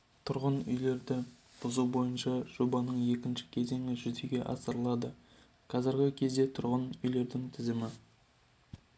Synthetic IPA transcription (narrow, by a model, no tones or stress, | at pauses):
t̪ʰʊɾʁənʏ̰jle̞ɾd̪ɪ | b̥ʊzuwbo̞jənʃɑʒ̥o̞bɑnəɴje̞kʲɪnʃɪ̥kʲʰe̞ze̞ŋɪʒʏzd̪eɡʲe̞ʔɑ̰səɾəlˠɑd̪ə | qʰɑzɪɾɡʲɪkʲʰe̞zd̪e̞t̪ʰʊɾʁənʏjle̞ɾd̪ɪŋt̪ʰɪzɪmɪ